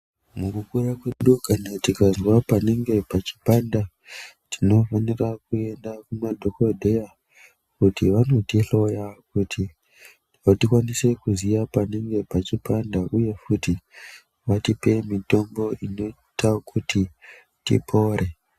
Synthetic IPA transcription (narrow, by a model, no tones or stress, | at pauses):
mukukurakwe̞ɗukanatikazwapaneŋɡe̞pat͡ʃi̥panda | tʰino̞fanirakue̞ndakumadʱo̞kodʱeja | kutiʋano̞tiɬo̞jakutʰi | ʋatikwanise̞kuziʋapaneŋɡe̞pat͡ʃipandaʔuje̞futi | ʋatipe̞mito̞mbo̞ino̞ | takʰutʰi | tḭpʰo̞ɾe̞